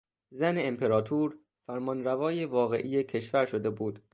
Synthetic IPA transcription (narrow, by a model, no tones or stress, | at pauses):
zæneːmpʰe̞ɾɒːt̪ʰuːɾ | fæɾmɒːnɾævɒːjevɒːɣe̞̰ʔiːjecʰe̞ʃvæɾʃod̪e̞buːd̪̥